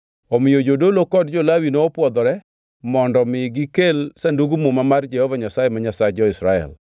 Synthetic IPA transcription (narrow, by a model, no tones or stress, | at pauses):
omɪjod͡ʒodolokɔdd͡ʒolawinoːpwɔd̪ɔɾɛ | mɔndɔmɪɡɪkelsanduɡumumamard͡ʒɛhovaɲasajɛmaɲasaed͡ʒɔɪsɾaɛ̰l